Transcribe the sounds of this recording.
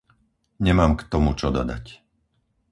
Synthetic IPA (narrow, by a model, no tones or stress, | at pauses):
ɲɛmaːmkt̪ɔmut͡ʃɔd̪ɔ̰d̪a̰c